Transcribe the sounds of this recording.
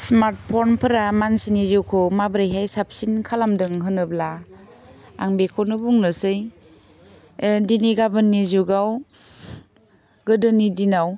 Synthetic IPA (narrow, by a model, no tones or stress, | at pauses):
smaɾt̚pʰɔnpʰɯɾamansinizukʰɔmabɾajɦajsap̚sinkʰalamdɯŋɦɯnɯblaː | ŋbekʰɔnɯbuŋnɯsɯj | diniɡabɯnːizuɡaw | ɡɯdɯnidinaw